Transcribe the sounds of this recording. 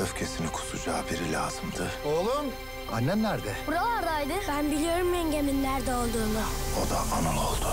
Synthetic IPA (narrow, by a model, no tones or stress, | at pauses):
øfcʰesinikʰu̥sud͡ʒaːbiɾilʲa̰ːz̥ɯmd̪ɯolˠun | anːɛnlæɾd̪ɛbuɾalˠaɾajd̪ɯbænbilʲijo̞ɾumːenɟeminlʲæɾd̪ɛo̞lˠd̪uːnao̞d̪aʔːnɯlˠo̞lˠd̪ʊ